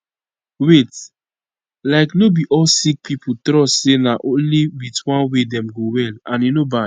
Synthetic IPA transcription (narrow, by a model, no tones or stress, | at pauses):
wet | laɪknobiʔɔlsik̚pʰipʰutɾɔsenaʔõnliwitwãnwedɛmɡowɛlãnenoba